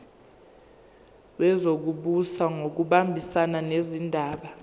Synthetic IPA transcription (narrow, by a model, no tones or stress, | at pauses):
wɛzok̬uɓusaŋok̬uɓambʱisananezindʱaːɓa